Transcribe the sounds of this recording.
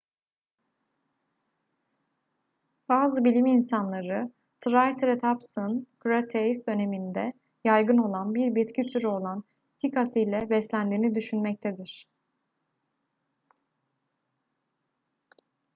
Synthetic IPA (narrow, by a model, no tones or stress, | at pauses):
b̥aːzɯbilʲiminsanlˠaɾɯ | t̪ʰɾajsɾet̪ʰapsɯnkɾat̪ʰejsd̪ø̞ne̞mind̪ɛ | jajɡɯno̞lˠanbiɾbit̪cit̪ʰyɾyo̞lˠan | sikasɯjlʲɛbɛslʲænd̪iːnid̪yʃynmɛc̚t̪ʰed̪iɾ̥